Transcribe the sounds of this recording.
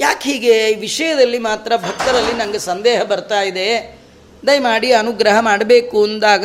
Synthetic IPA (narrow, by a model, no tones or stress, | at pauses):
jaːkɦiːɡeʋiʂɐjɐd̪ɐlːimaːt̪ɾɐbʱɐk̚t̪ɐɾɐlːinɐŋɡesɐnd̪ɛːɦɐbɐɾt̪aːjid̪e̞ | d̪ɐjmaːɽiɐnuɡɾɐɦɐmaːɽɐbe̞ːkuɐnd̪aːɡɐ